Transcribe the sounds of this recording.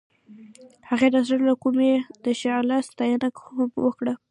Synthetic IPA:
haɣed̪azaɾlakumed̪̥əʃɑlast̪ajanakwəkɽə

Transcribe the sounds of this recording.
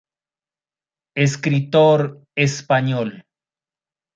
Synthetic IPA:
eskɾit̪oɾ | espaɲol

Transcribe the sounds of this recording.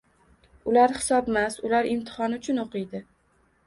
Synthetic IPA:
ʊlaɾhɪ̥sɒbmasʊlaɾɪmt̪ʰɪ̥hɒnʊt͡ʃʰʊnoqɨjd̪ɪ

